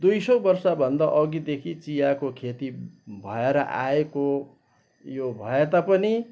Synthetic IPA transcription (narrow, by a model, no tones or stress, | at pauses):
d̪ujsʌbʌrsabʱʌnd̪aʔʌɡid̪ekʰit͡sijakokʰet̪ibʱʌeɾʌʔa̰eko | jobʱʌet̪apʌni